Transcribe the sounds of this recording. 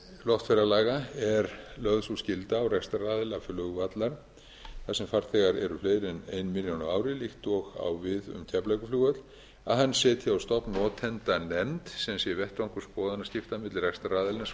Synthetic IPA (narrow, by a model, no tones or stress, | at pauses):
lɔht̪fɛɾalaːɣaɛɾlœðsuscɪlt̪aːwrɛkst̪araːðɪlafʏlʏɣat̪laɾ | θaðsɛmfaɾ̥θʰɛɣaɾɛ̰ɾʏfleːjɾɛnejnmɪljawnavaːwɾɪlixt̪ɔɣa̰wvɪðʏ̰mt̪ʰɛplajkʏfluːɣœt̪l | a̰ðhanːsɛːt̪ʰɪawst̪ɔhpnɔːt̪ʰɛnt̪anɛmt̪sɛmsjɛvɛht̪ɾaŋkʏspɔːðanascɪft̪amɪt̪lrɛkst̪araːðɪlnas